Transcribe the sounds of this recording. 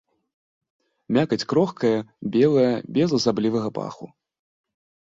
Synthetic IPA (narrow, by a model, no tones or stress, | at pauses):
mʲakɐt͡sʲkɾɔxkɐjɐbʲɛlˠɐjɐbʲɛzˠɐzablʲivɐɣɐpa̰xṵ